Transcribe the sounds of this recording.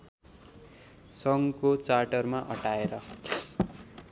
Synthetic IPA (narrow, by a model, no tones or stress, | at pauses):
sʌŋkot͡sarʈʌrmaʔʌʈaeɾʌ